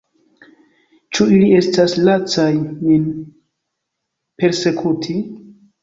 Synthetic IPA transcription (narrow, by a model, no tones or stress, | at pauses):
t͡ʃuilie̞staslat͡sajmin | pe̞ɾse̞kʰutʰi